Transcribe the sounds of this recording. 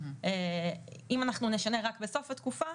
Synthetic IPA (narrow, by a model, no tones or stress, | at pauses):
e | imanaχnune̞ʃane̞ʁakbeso̞fat̪kufa